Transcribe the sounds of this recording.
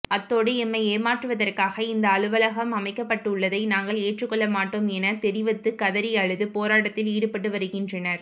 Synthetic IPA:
ɐt̪ːoːɽɯɛmːɐɪeːmaːʈrɯʋɐðɐrkaːɣɐɪnd̪ɐːɭɯʋɐlɐɣɐmɐmɐɪkːɐpːɐʈːɯʊɭːɐðɐɪnaːŋɡɐɭeːʈrɯkːɔɭːɐmaːʈːoːmɛnɐt̪ɛɾɪʋɐt̪ːɯkɐðɐɾɪjɐɻɯðɯpoːɾaːʈɐt̪ːɪliːɽɯpɐʈ̬ːɯʋɐɾɯɣɪndrɐnɐɾ

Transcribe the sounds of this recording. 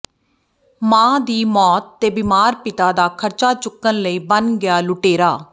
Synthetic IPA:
mãːd̪iːmɔːt̪ːeːbiːmaːɾpɪt̪aːd̪aːkʰəɾt͡ʃaːt͡ʃʊkːənləiːbənɡɪjaːlʊʈeːɾaː

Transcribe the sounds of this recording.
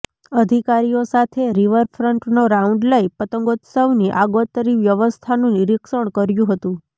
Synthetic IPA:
əd̪ʱikaɾijosat̪ʰeɾiʋəɾfʰɾəɳʈnoɾauɳɖlaipət̪əŋɡot̪səʋniʔaɡot̪əɾiʋjəʋəst̪ʰanũniɾikʃəɳ̃kəɾjũɦət̪ũ

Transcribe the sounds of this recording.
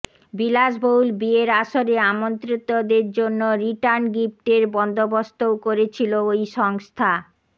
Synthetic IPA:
bilaʃbowlbieɾaʃoɾeamont̪ɾit̪od̪eɾd͡ʑonːoɾiʈaɾnɡip̚ʈeɾbɔnd̪obost̪owkoɾet͡ɕʰiloojʃɔŋst̪ʰa

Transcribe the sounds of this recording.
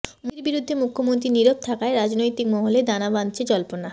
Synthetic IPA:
miɾbiɾud̪ʱːemukʰːomont̪̬ɾiniɾob̚t̪ʰakaeɾad͡ʑnojt̪ik̚mɔɦoled̪anabant͡ɕʰed͡ʑɔlpona

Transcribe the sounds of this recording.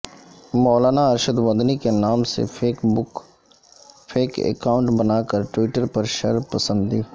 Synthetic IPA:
mɔːlaːnaɐɾʃəd̪ʋə̃nd̪nikenaːmsḛʊ | fʰeːkḛkaːʊ̃ɳʈbɐnaːkəɾʈwɪʈəɾpɐɾʃɐ̰ɾpɐsə̃nd̪iː

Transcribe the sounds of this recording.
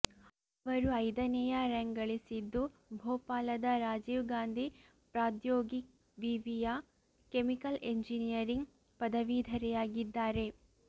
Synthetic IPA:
ɐʋɐɾuɐjd̪ɐnɛjɐɾɐŋɡɐɭisid̪ːubʱoːpaːlɐd̪ɐɾaːd͡ʒiːʋɡaːnd̪ʱi | pɾaːt̪joːɡik | ʋiʋijɐ | kemikɐleɲd͡ʒinijɐɾiŋɡ | pɐd̪ɐʋiːd̪ʱɐɾɛjaːɡid̪ːaːɾe̞

